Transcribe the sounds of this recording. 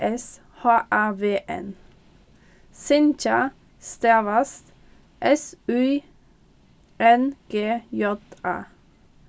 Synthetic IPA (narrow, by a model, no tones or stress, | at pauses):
ʔɛs | hɑːʔæʋeːʔɛ̰n | sɪnt͡ʃɑ | st̪eːʋɑst̪ | ʔɛsʉː | ʔɛnɡ̥eːjɔt̪æ̰ː